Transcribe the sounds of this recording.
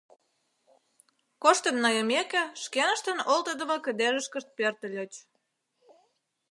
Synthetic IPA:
koʃt̪ə̆nːɑjəmekĕʃkenə̆ʃt̪ə̆nolt̪ə̆d̪ə̆mə̆kə̆d̪eʒəʃkə̆ʃt̪̚pørt̪ə̆lʲot͡ɕ

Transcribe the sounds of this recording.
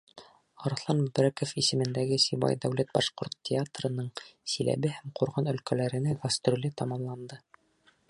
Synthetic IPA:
ɑɾɑθlˠɑnbɵbɾækofisɘ̆mɘ̆nd̪æɡɘsibɑ̰jd̪æwlæt̪̚bɑʃqoɾt̪tʲːɪat̪rɤ̆nɤɴsilæ̰βɘhæmquɾʁɑnɵ̆lkælæɾɘ̆næɡɐst̪rʲulʲɘt̪ɑmɑmlˠɑnd̪ɤ

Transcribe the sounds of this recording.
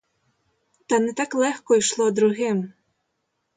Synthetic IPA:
t̪ɑnɛt̪ɑklˠɛxkɔjʃlˠɔd̪ɾʊɦɪm

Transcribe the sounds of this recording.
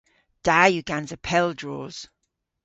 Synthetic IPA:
d̥ajuɡ̥ãnzəpʰɛlˠdɹɔːz̥

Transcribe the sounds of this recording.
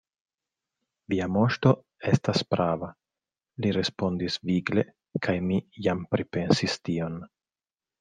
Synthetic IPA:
viamo̞ʃto̞ | e̞staspɾava | liɾe̞spo̞ndisviɡle̞ | kʰajmijampɾipe̞nsistio̞n

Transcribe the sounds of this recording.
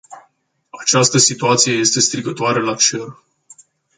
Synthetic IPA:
at͡ʃast̪əsit̪uat̪sije̞je̞st̪e̞st̪ɾiɡət̪oaɾelat͡ʃer

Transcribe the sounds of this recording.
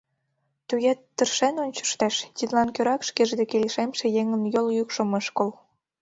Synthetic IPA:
t̪ujet̪ːərʃenonʲt͡ɕə̥ʃt̪eʃt̪ʲid̪lɑnkøɾɑkʃkeʒd̪ekelʲeʃemʃĕjeŋə̆njoljykʃə̆məʃkol

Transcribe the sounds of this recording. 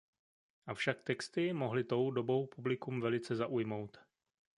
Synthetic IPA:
ʔafʃak̚t̪ɛkst̪ɪmoɦlɪt̪o̞wdobo̞wpublɪkumvɛlɪt͡sɛzaʔujmo̞wt̪

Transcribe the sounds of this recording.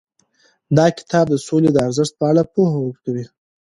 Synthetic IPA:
d̪ɑkɪ̥t̪ʰɑb̚d̪əsoled̪əaɾzəʂt̪̚pəaɽapohawəɾkawi

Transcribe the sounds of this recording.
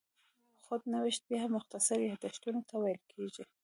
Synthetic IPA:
xod̪nawɪʃt̪̚bjahamːʊxt̪asaɾjahd̪aʃt̪unot̪awajlkʰeʒi

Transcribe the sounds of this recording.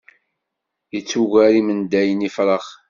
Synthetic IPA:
jət͡sːuʝæɾimənd̪æjənifɾˤəχ

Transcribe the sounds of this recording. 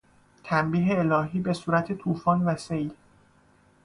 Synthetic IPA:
t̪ʰæmbiːɦe̞ːlɒːɦiːbe̞suːɾæt̪ʰe̞t̪ʰuːfɒːnvæse̞jl

